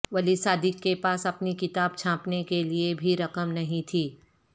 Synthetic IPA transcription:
ʋɐlisaːd̪ɪkːepaːsɐpnikɪt̪aːb̚t͡ʃʰãːpnekeliebʱiɾɐkəmnɐɦĩt̪ʰiː

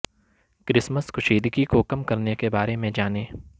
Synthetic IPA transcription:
kɾɪsməskʰʊʃeːd̪kikokɐmkɐɾnekebaːɾemẽd͡ʒaːneː

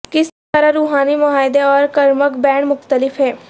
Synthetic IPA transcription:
kɪs | əɾaɾuːɦaːnimʊɦaːɪd̪eɔːɾkəɾməkbɛːɳ̃mʊxt̪əlɪfʰɦɛː

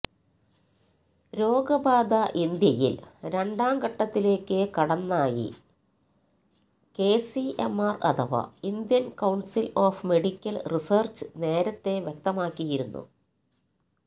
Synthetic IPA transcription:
ɾo̞ːɡɐbaːd̪ɐʔind̪jɐjḭlɾe̞ɳɖaːmɡɐʈːɐt̪ːile̞ːkːɨkɐɽɐnːaːjḭ | ke̞ːsiemːarɐ̰t̪ʰɐʋɐ̰ind̪jɐnkɐwɳsiloːfme̞ɽikʲːɐlrisɐːrt͡ɕɨ̥ne̞ːɾɐt̪ːe̞ʋjek̚t̪ɐmaːkːijiɾunːṵ

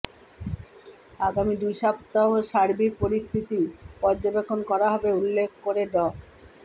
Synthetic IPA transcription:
aɡamid̪ujʃap̚t̪aɦoʃaɾbik̚poɾist̪ʰit̪ipɔɾd͡ʑobekʰːonkɔɾaɦɔbeulːekʰkːoɾeɖɔ

